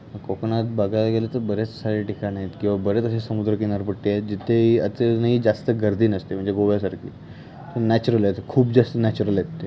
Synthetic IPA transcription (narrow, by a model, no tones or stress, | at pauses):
məkɔknat̪̚baɡalaɡelet̪əɾbəɾet͡ssaɭiʈikañaet̪kĩw̃ʋabəɾet͡səɕesəmud̪ɾəkinaɾpəʈːiet̪̚d͡ʑit̪ʰeɦiət͡senaɦiːd͡zast̪əɡəɾd̪ʱiːnəst̪em̤əɳd͡zeɡoʋjasaɾkʰḭː | t̪ənæt͡ɕuɾəlet̪ekʰuːp̚d͡zast̪ənæt͡ɕuɾəljet̪ːe